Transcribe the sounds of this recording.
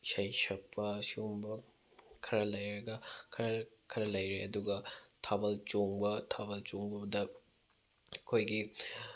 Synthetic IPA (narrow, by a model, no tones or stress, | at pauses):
sɐjsɐkʰːɐsiumbɐ | kʰɐɾɐlɐjɾɐɡɐkʰɐɾɐkʰɐɾɐlɐjɾeɐduɡɐtʰabɐlt͡ʃoŋbɐtʰabɐlt͡ʃoŋbɐbɐdɐ | kʰojɡi